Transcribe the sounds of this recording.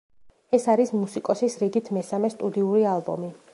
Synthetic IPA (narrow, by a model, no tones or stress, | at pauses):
ɛsaɾismusikʼɔsisɾiɡit̪ʰmɛsamɛst̪ʼud̪iuɾialˠbɔ̰mi